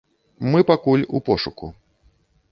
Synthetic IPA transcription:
mɨpakulʲṵpɔʂuku

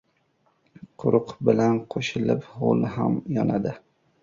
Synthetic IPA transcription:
qʰʊɾʊqbɪlanqʰoʃɪlɪpho̰lˠɦamjɒnad̪ɪ

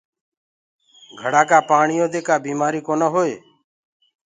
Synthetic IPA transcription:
ɡʱəɽaːkaːpaːɳɪjõːd̪eːkaːbiːmaːɾiːkoːnəːɦoːeː

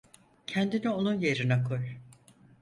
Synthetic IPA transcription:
cʰɛnd̪inio̞nunjeɾinakʰoj

